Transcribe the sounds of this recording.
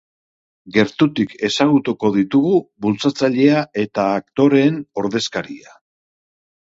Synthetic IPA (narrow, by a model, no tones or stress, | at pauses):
ɡe̞ɾt̪ut̪ike̞saɣ̞ut̪uko̞ð̞it̪uɣuβult͡sat͡saʎe̞ae̞t̪aːk̚t̪o̞ɾe̞ːno̞ɾðe̞skaɾḭa